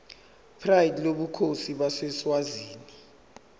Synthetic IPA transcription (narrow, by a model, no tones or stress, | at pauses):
pʰrajidloɓukʰosiɓasɛswaziːni